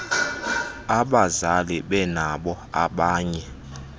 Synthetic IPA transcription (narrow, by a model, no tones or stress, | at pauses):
aɓazaliɓɛnaɓɔ | a̰ɓaːɲɛ